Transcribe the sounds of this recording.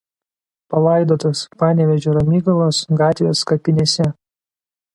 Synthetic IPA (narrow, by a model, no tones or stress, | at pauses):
pɐlˠɑˑɪd̪oːt̪ospɑːnʲɛʋʲɛʒʲoːɾɐmʲiːɡɐlˠoːsɡɑːt̪ʲʋʲoːskɐpʲɪnʲeːsʲɛ